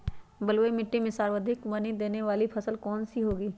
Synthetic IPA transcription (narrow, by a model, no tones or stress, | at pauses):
bəlʋəimɪʈːimẽsaːɾʋəd̪ʱɪkʋɐnid̪eːneʋaːlipʰɐsəlkɔːnsiɦoːɡiː